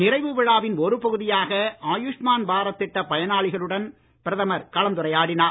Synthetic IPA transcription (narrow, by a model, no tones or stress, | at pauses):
nɪrɐɪʋɯʋɪɻaːʋɪnɔɾɯpɐɣɯðɪjaːɣɐaːjɯʂmaːnbʱaːɾɐt̪ːɪʈːɐpɐjɐnaːɭɪɣɐɭɯɽɐn | pɪɾɐðɐmɐɾkɐlɐnt̪ɯɾɐjaːɽɪnaː